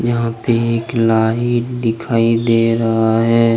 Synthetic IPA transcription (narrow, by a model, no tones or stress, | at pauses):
jɐɦãpeeːklaːɦiʈd̪ɪkʰaːid̪eːɾɐɦaɦɛː